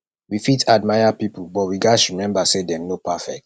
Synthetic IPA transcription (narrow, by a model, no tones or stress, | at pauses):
wifitʰad̚maɪjapipubɔtwiɡaɪsɹimɛ̃mbasedɛ̃mnopafɛ̰k̚t